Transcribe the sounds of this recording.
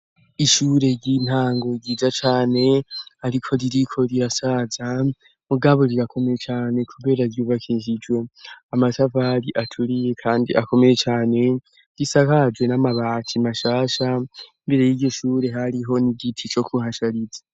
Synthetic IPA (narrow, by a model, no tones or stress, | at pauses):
iʃuːɾe̞ɟin̥haːŋɡo̞ɡiːzat͡ʃaːne̞haɾikʰo̞ɾiɾikʰo̞ɾiɾasaːza | muɡaβo̞ɾiɾakʰo̞me̞jet͡ʃaːne̞kʰuβe̞ːɾaɾjuːβakʰiʒid͡ʒwe̞amatʰavaɾiʔatʰuɾije̞kʰaːndḭʔako̞me̞je̞t͡ʃaːne̞ | ɾisakad͡ʒwe̞namaβaːtʰimaʃaːʃaimbe̞ɾe̞jiɟo̞ʃuːɾe̞ɦaɾiɦo̞niɡitʰit͡ʃo̞kʰuhaʃaɾiza